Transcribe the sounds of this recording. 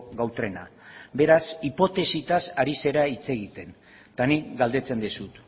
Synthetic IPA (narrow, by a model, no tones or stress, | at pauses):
ɣawt̪ɾe̞na̰be̞ɾasipo̞t̪e̞sit̪asaɾise̞ɾait͡se̞ɣit̪e̞n | t̪anikɡald̪e̞t͡se̞nd̪esut̪